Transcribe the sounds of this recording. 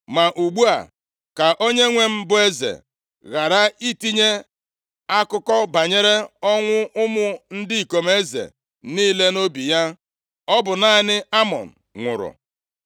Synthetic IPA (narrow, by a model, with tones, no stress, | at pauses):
ma˨ʔu˨ɡ͡bu˦a̰˨ | ka˨ʔo˦ɲe˦ŋʷe˦m̩˦bʊ˦e˦zḛ˨ | ɣa˨ɾa˦i˦ti˦ɲe˦ | a˦kʊ˦kɔ˦ba˨ɲe˦ɾe˦ɔ˦ŋʷʊ˦ʊ˦mʊ˦n̩˦dɪ˦i˨ko˨m˦e˦zḛ˨ | niː˦le˦no˦bi˨ja˦ | ɔ˦bʊ˨na˦nɪ˦a˦mɔ̰˨n̩˨ŋʷʊ̰˨ɾʊ̰˨